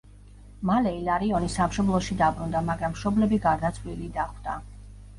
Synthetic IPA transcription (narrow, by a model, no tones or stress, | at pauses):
malɛilaɾiɔnisamʃɔblˠɔʃid̪abɾund̪amaɡɾamːʃɔblɛbiɡaɾd̪at̪sʰlilid̪aχwd̪̥a